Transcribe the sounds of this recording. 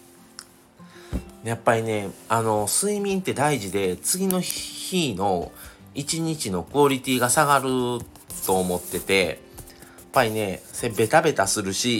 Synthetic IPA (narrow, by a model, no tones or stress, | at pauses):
japːaɾʲine̞ano̞sɨimʲĩnt̪e̞d̪aiʑid̪e̞t͡sɨɡʲino̞çiːno̞ | it͡ɕiɲ̟it͡ɕino̞kɯ̟oɾʲit̪ʲiːɡasaɡaɾɯ̟ | t̪o̞ːmo̞t̪ːe̞t̪e̞ | pːaɾʲine̞se̞be̞t̪abe̞t̪asɨɾɯ̟ɕi